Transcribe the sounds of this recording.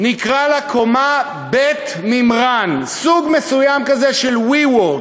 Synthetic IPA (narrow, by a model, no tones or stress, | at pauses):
nikʁalakʰo̞ma | bet̪ | mimʁansuɡme̞sujamkazeʃelwiwo